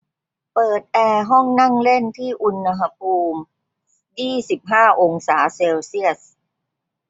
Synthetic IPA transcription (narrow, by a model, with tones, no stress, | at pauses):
pɤː˨˩t̪̚ʔɛː˧ɦɔ˥˩ŋna˥˩ŋle˥˩nt̪ʰiː˥˩ʔu˧nːa˧ɦa˧pʰuː˧m | jiː˥˩si˨˩p̚ɦaː˥˩ʔo˧ŋsaː˩˦seː˧wsi˥˩əs̚